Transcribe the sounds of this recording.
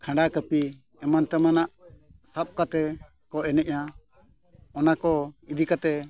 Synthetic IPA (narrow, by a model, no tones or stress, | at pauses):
kʰãɳɖakəpi | ɛmant̪ɛmanaʔsap̚kat̪ɛ | kɔʔɛnɛʔja | ɔnakɔid̪ʱikat̪ɛ